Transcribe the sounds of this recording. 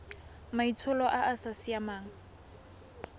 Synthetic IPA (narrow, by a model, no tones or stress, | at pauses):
mait͡sʰʊlɔʔaʔasasiamaːŋ̩